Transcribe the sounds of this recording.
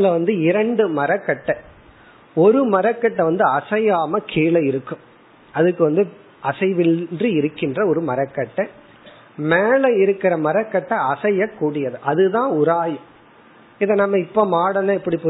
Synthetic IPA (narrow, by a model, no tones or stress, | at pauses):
lɐʋɐnd̪ɯɪɾɐɳɖɯmɐɾɐkːɐʈːɐ | ɔɾɯmɐɾɐkːɐʈːɐʋɐnd̪ɯɐsɐjaːmɐkʰiːɭɐɪɾɯkːɯ̃m | ɐðɯkːɯʋɐnd̪ɯ | ɐsɐɪʋɪndriɪɾɯkːɪndrɐɔɾɯmɐɾɐkːɐʈːɐ | meːlɐɪɾɯkːɪɾɐmɐɾɐkːɐʈːɐɐsɐjɐkːuːɽɪjɐðɯʔɐðɯðãːʊɾaːjɯ̃ | ɪðɐnɐmːɐɪpːoːmaːɽɐnãɪpːɐɽipː